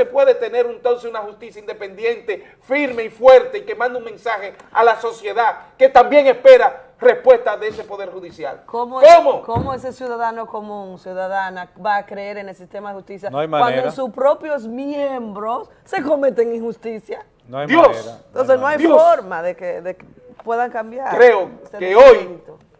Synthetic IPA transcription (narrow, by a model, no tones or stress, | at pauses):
sepwe̞ðet̪e̞ne̞ɾunt̪o̞nsesunaxust̪isjaind̪e̞pe̞nd̪je̞nt̪e̞ | fiɾme̞ifwe̞ɾt̪e̞ike̞mãnd̪uŋmẽ̞nsaxe | a̰laso̞sje̞ðake̞t̪ambje̞ŋespe̞ɾa | re̞spwe̞st̪aðeese̞po̞ðe̞ɾxuðisja̰lkomokomokomoesesjuðaðano̞ko̞mũŋsjuðaðanabaːkɾeeɾenelsist̪emaðehust̪isjaajwand̪oesuspɾo̞pjo̞zmjembɾo̞sːe̞ko̞me̞t̪eŋiŋxust̪isja | nad̪josnt̪ons̬esnoajfoɾmaðekeðeke | pwe̞ðaŋkambjaɾɾeosekeojit̪o